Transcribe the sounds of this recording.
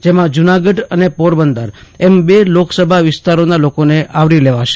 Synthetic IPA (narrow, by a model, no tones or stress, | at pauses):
d͡ʒemãd͡ʒunaɡəɖənepoɾbənd̪əɾɛmbeloksəbʱaʋɪst̪aɾonalokoneʔaʋɾileʋaʃe̥